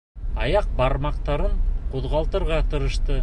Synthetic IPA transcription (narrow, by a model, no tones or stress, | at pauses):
ɑjɑq̚bɑɾmɑqt̪ɑɾɤɴquðʁɑlˠt̪ɤ̆ɾʁɑt̪ɤ̆ɾɤ̆ʃt̪ɤ